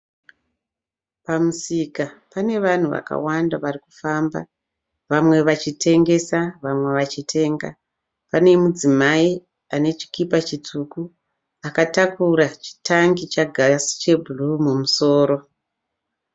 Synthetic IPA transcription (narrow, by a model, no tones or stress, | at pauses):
pamusikapane̞ʋan̤uʋa̰ka̰wandaʋarikufamba̰ | ʋamwe̞ʋat͡ʃitʰe̞ŋɡe̞saʋamwe̞ʋat͡ʃitʰe̞ːŋɡa̰ | pane̞mud͡zimai | ane̞t͡ʃi̥kipat͡ʃit͡suku | akatakuɾat͡ʃi̥tʰaŋɡit͡ʃaɡʱasi̥t͡ʃe̞bʱulumumuso̞ːɾo̞